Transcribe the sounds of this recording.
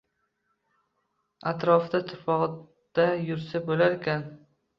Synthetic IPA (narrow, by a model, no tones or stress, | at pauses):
at̪ɾɒfd̪at̪ʰʊ̥pʰɒʁ | d̪̥ajʊɾsabolaɾekʲʰan